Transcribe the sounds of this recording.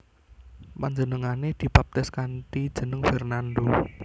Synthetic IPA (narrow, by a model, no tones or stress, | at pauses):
paɲd͡ʒənəŋaned̪̥i̤pap̚t̪ɪskant̪id̥ʒ̥ə̤nəŋfɛrnand̪o